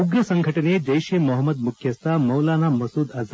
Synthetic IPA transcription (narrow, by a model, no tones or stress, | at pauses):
uɡɾɐsɐŋɡʱɐʈɐned͡ʒ̪ɐjɕeːmoɦəmːɐd̪mukʰjɐst̪amɐwlaːnamɐsuːd̪ɐz